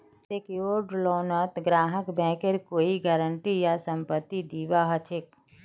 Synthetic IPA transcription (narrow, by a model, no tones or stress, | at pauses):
sekoːɖloːnət̪ɡɾaːɦəkbɛ̃ːkeɾkoːiɡəɾəɳʈijasə̃mpət̪ːid̪iːʋaɦət͡ʃʰek̚